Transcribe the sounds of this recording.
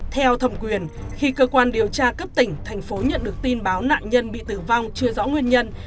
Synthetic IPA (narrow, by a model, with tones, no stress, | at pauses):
t̪ʰɛ˧wt̪ʰə˧˩wŋ͡mkwi˨˩ənxi˧kəː˧kwaː˧nɗi˨˩əwt͡ɕaː˧kə˦˥p̚t̪ï˧˩ŋ̟t̪ʰa˨˩jŋ̟fo˨˦ɲə̰˧˨nɗɨ˨˩ək̚t̪i˧nɓaː˨˦wna̰ː˧˨nɲə˧nɓḭ˧˨t̪ɨ˧˩va˧wŋ͡mt͡ɕɨ˧əzɔ̰˧˥ŋwi˧ənɲə˧n